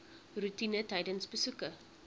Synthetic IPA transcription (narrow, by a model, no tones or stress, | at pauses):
rutinətɐjdənsbəsukə